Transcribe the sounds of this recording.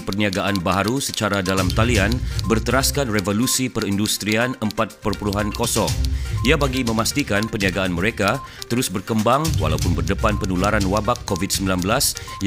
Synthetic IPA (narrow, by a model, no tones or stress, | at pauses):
pərniaɡaʔanbaɦaɾusət͡ʃaɾadalamt̪alianbərt̪əɾaskanrevolusipərindust̪ɾianəmpat̪̚pərpuluɦankosɔŋiabaɡimə̃mast̪ikanpərniaɡaːnməɾekat̪əɾʊsbərkəmbaŋwa̰lawpʊnbərdəpanpənulaɾanwabakːovit̪̚səmbilanbəlasj